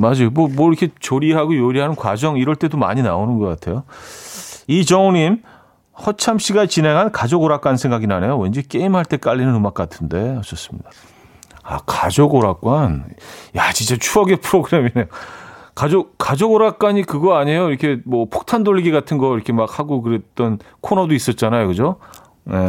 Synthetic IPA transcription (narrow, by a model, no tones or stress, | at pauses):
mad͡ʑimʌmwʌiɾʌkʰet͡ɕoɾiɦaɡojoɾiɦanɯnkwa̰d͡ʑʌŋiɾʌɭt͈e̞doma̰ɲina̰onɯnɡʌk͈atʰe̞jo | it͡ɕʌŋoɲim | hʌt͡ɕʰamɕ͈ʰiɡat͡ɕinɦe̞ŋɦankad͡ʑoɡoɾak͈ansʰe̞ŋɡaɡinane̞jowend͡ʑik͈e̞imɦaɭt͈e̞k͈aʎːinɯnɯmak͈atʰɯnde̞ʌt͡ɕ͈ʌs͈ɯ̥mɲḭda | a̰kad͡ʑoɡoɾak͈wanjat͡ɕint͡ɕ͈at͡ɕʰuʌɡe̞pʰɯɾoɡɯɾe̞minejokad͡ʑokad͡ʑoɡoɾak͈waɲikɯɡʌaɲe̞joiɾʌkʰe̞mwʌpʰok̚tʰandoʎːiɡiɡatʰɯnɡʌiɾʌkʰe̞mak̚haɡokɯɾe̞t͈ʌnkʰonʌdois͈ʌt̚t͡ɕ͈anajokɯd͡ʑo | jḛ